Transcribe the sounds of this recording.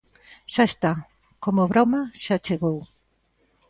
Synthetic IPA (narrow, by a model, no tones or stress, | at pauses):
ʃaest̪a | komoβɾɔmaʃat͡ʃeɣow